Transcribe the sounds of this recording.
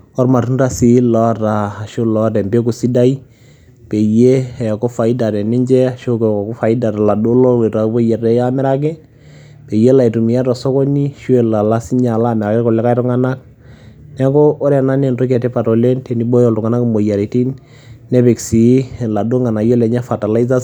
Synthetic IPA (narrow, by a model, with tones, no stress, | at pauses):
ɔ˦ɾma˨tu˦nɾa˦si˨˦lɔ˦ɾa˨ʃo˦lɔ˦ɾɛ˨mbe˦k̬u˨si˦da˦i˦ | pe˨je˦˨kɔ˦fa˨i˦da˨ɾɛ˨ni˦ɲd͡ʒɛ˦a˨ʃo˦kku˦fa˨i˦da˨ɾa˨la˨do˦lɔ˦we˨ɾa˨˦bo˦ja˨ɾɛ˦ja˦mɛ˦ɾa˦k̬ɛ˦ | pe˨je˦la˨i˨tu˨mi˨ja˦tɔ˨sɔ˦kɔ˦ni˦ʃu˦ɛ˨la˨la˦si˦ɲa˨la˦˨mɛ˨ɾa˨kɛ˦kɔ˨lɛ˦ka˦jɾɔ˦ŋa˦na˦k̚ | nɛ˦kɔ˦ʔɔ˦ɾɛ˨na˦ne˨nto˦kɛ˨tɛ˦pa˨tɔ˨le˦ntɛ˨ni˦bɔ˦jɔ˦˨ltʊ˨ŋa˨na˦kmo˨ja˨ɾe˨ti˦nː | ɛ˦pe˨ksi˨˦la˨do˦ŋa˨na˨jɔ˦lɛ˨ɲa˦fa˨ta˨la˦i˦za˦